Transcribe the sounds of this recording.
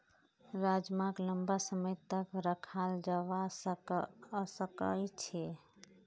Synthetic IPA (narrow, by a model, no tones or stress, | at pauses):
ɾad͡ʒmakləmbasəməjt̪əkɾəkʰald͡ʒawa | səkəjt͡ʃʰe